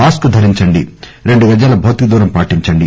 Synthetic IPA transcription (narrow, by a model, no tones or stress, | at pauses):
aːskud̪ʱɐɾiɲt͡ʃɐɳɖiɾeɳɖuʋɐd͡ʒɐːlɐbʱɐːt̪id̪uːɾɐmpaːʈiɲt͡ʃɐɳɖi